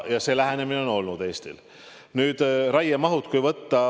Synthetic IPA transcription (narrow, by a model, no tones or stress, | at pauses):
jɑse̞ːlæɦene̞mineo̞no̞lnud̪̥e̞ːst̪ḭl | nyːd̪̥ɾɑjːemɑɦut̪ˑkujvɤt̪ːɑ